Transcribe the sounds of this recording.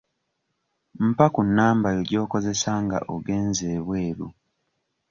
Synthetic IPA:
m̩pakunːaːmbajoɟo̞ːko̞ze̞saːŋɡa̰ʔoɡe̞ːnzeːβwe̞ːɾu

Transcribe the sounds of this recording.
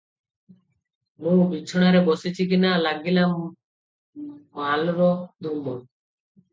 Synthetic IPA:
mũbit͡ɕʰoɽ̃aɾeboset͡ɕʰik̬inalaɡ̚dilam | alɾɔd̪umbɔ

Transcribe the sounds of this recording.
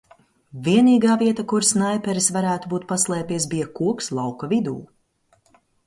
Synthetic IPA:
vʲiɛniːɡaːviɛt̪akuɾsnajpʲɛɾisvaɾæːt̪ubuːt̪̚paslˠɛːpiɛs̬bijɐkuɔkslˠawkɐvid̪ṵː

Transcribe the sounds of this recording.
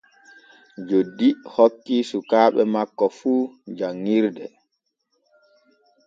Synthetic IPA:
d͡ʒodːihokːisukaːɓɛmakːɔfuːd͡ʒaŋːiɾdɛ

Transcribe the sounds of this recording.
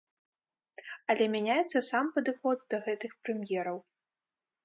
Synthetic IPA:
ɐlʲɛmʲanʲajɛt̪sːɐsampɐd̪ɨxɔd̪̚d̪ɐɣɛt̪ɨxpɾɨmjɛɾɐw

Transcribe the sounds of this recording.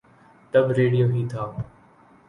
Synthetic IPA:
t̪əbɾeːɖijoːɦiːt̪ʰaː

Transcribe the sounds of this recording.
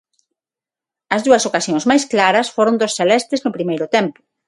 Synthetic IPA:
ɐzðuɐsokasjoŋzmajsklaɾɐsfoɾond̪osθelɛst̪ɪznʊpɾimejɾʊt̪ɛmpʊ̥

